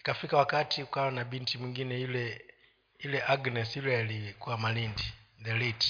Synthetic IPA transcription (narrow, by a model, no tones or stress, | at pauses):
kafikawakatiukawanabintimwiŋɡinɛjulɛ | julɛʔaɡnɛsjulɛjalikuwamalindiðɛlit